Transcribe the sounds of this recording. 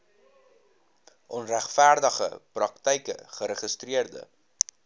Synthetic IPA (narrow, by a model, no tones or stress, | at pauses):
ʔɔnræχfæːrdəχə̰prɐktəjkə̰χəɾəχəstriərdə̰